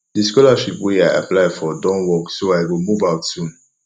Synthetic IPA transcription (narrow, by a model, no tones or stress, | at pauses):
dəskɔlaʃipweaɪʔa̰plaɪfɔdɔ̃nwɔksoaɪwimuvaksũn